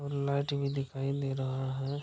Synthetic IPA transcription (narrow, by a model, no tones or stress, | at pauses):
ɔɾlaːɪʈbʱid̪ɪkʰaːid̪eːɾɐɦaɦɛ